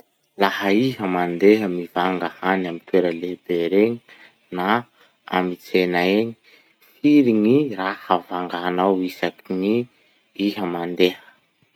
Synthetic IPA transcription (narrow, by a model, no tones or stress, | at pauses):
lahəiɦəmand̪eɦəmivaŋɡahanamit̪weɾəlebeɾeɲi | na | a̰mit͡senaeɲi̥ | fiɾiŋirahəvaŋɡanawisakiŋi | iɦəmand̪ehə̥